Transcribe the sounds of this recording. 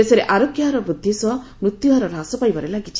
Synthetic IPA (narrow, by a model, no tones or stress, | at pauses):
esɔɾeʔaɾokjaɾɔbɾud̪ʱːisɔ | mɾut̪juɦaɾɔɾasɔpajbaɾelaɡit͡ʃʰi̥